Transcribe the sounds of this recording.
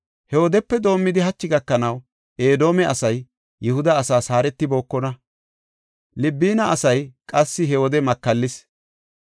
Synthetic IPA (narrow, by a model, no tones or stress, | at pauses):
hɛwɔd̪ɛpːɛd̪o̞ːmːɪd̪ɪɦɐt͡ʃːɪɡɐkːɐnɐw | ʔeːd̪o̞ːmɛʔɐsɐjː | ɛhʊd̪ɐːsaːsaːɾɛt̪ːɪbo̞ːkːɔnɐ | lɪbːiːnɐʔɐsɐjkʼɐsːɪɦɛɔd̪ɛmɐkːɐlːɪs